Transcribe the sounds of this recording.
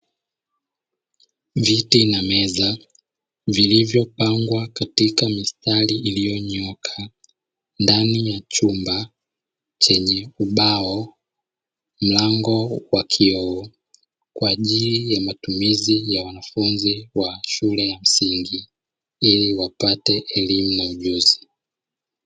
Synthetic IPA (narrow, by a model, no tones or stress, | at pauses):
vitinamɛza | vilivjɔpaŋɡwakatikamistaliʔːlijɔɲɔkʰa | ndanijat͡ʃumba | t͡ʃɛɲɛuɓaɔ | m̩laŋɡɔwakʰiɔɔ | kwaːʄilijamatumizijawanafunziwaʃulɛjam̩siŋɡi | iliwapatɛʔɛlimunauʄuzi